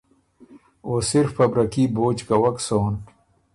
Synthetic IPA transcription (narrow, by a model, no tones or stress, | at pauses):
oːsiɾfːɐbɾɐkiboːt͡ʃkɐwɐksoːn